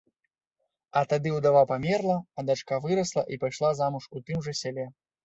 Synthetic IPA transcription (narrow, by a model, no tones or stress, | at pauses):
ɐt̪ad̪ɨud̪avapamʲɛrlˠɐːd̪at͡ʂkavɨɾɐslˠɐʔipajʂlˠazamuʂut̪ɨmʐɐsʲalʲɛ